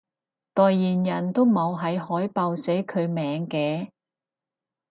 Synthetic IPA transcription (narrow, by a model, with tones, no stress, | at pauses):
t̪ɔː˨jːiː˨˩njɐ˨˩nt̪o˥wmo˨˧wɦɐ˨˧jɦɔː˨˥jpɐ˨˧wsɛ˨˥kʰɵ˨˧ɥmɛː˨˧ŋkɛː˧